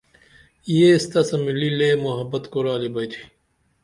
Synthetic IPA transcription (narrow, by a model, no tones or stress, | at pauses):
ijest̪ɐsɐmilileːmoɦɐbɐt̪koɾaːlibɐjt̪ʰi̥